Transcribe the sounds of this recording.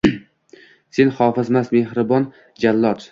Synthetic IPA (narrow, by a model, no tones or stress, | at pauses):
se̞nhɒːfɪzmasme̞hɾɪbɒn | d͡ʒalːɒt̪